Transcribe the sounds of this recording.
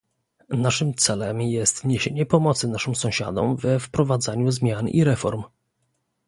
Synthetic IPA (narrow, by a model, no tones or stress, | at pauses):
naʂɘmt̪sɛlɛmjɛst̪ɲeɕeɲɛpɔmɔt̪sɘnaʂɘmsɔ̃w̃ɕa̰d̪ɔ̰mvɛfpɾɔvad̪zaɲuzmʲjanʔḭɾɛfɔɾm